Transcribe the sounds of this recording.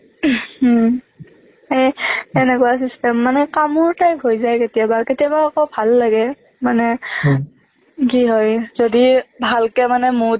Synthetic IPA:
ejɛnɛkʊasistɛmːanɛkamʊɹtajbʱojzajketijabaketijabaakɔbʱalːaɡɛ | manɛ | kiɦɔjzodibʱalkɛmanɛmʊ

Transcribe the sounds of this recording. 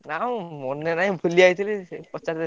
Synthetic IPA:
naõmɔnːenaɦĩbʱuliait̪ʰilipɔt͡ʃaɾd̪e

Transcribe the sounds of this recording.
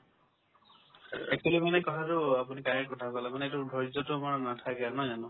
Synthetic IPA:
ekʰilimanekɔtʰaɾuapunikajkɔtʰakalamaneetubʱɔɾd͡ʒɔtumaɹɔnatʰakanɔd͡ʒanɔ̃

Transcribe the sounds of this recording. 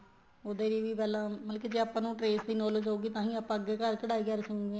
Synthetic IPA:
oːd̪eːɾiːʋiːpɛːlãːməlkeːd͡ʒeːaːpːãːnũːʈɾeːsd̪iːnɔːled͡ʒɦoːɡiːt̪ãːɦĩːaːpːãːəɡːeːkəɾkəɽaːiːkəɾsəkːɡeː

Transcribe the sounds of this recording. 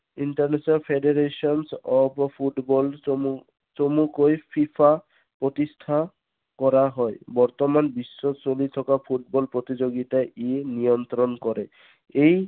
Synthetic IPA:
inʈaɹnesɔnalpʰeɖeɾesɔnsɔppʰuʈbɔlu | t͡ʃomukojpʰipʰa | pɹɔt̪istʰa | kɔɾaɦɔjbɔɹt̪ɔmanbisːɔsolit̪ʰɔkapʰuʈ̚bɔlpɹot̪izoɡit̪aʔenijɔnt̪ɾɔnkɔɾɛ | ej

